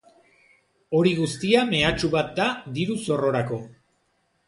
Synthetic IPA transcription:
o̞ɾiɣ̞ust̪iame̞at͡ʃuβat̪̚d̪ad̪iɾuso̞ro̞ɾako̞

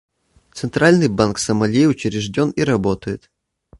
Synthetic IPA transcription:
t̪sɨnt̪ɾalʲnɨjbanksəmɐlʲejʊt͡ɕɪɾʲɪʐdʲo̞niɾɐbo̞t̪əjɪt̪

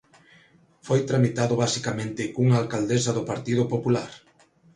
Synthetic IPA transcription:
fojt̪ɾamit̪aðʊβasikamẽnt̪ɪkuŋaːlkald̪esɐðʊpaɾt̪iðʊpopulaɾ

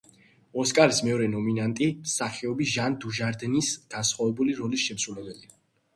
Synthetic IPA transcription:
ɔskʼaɾismɛɔɾɛnɔminant̪ʼimsaχɛɔbiʒand̪uʒaɾd̪nisɡ̥ansχwavɛbuliɾɔlisʃɛmsɾulɛbɛli

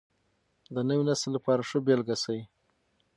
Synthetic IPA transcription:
d̪ənəwinasəlːapɑɾaʂəbjɑlɡasawi

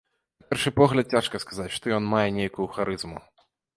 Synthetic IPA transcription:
napʲɛrʂɨpɔɣlʲɐt̪̚t͡sʲaʂkɐskazat͡sʲʂt̪ɔjɔnmajɛnʲejkʊjuxaɾɨzmṵ

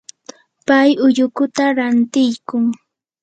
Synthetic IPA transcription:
pajʊjʊkʊt̪aɾant̪ɪjkʊŋ

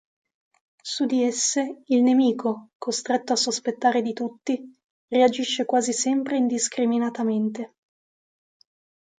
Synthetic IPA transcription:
sud̪iesːeilnemiːkʰokost̪ɾet̪ːoasːospet̪ːaːɾed̪it̪ut̪ːi | read͡ʒiʃːekwaːzisɛmpɾeind̪iskɾiminat̪ament̪e

